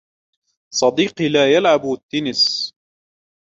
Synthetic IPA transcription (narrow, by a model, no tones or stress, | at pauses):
sˤɑd̪iːqlaːjalʕabt̪ːɪnɪs